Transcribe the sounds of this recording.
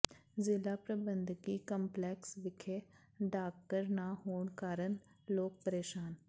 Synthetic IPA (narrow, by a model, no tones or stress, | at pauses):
zɪlaːpɾəbənd̪kiːkəmplɛːksʋɪkʰeː | ɖaːk̚ʈəɾnaːɦoːɳkaːɾəɳ | loːk̚pəɾeːʃaːn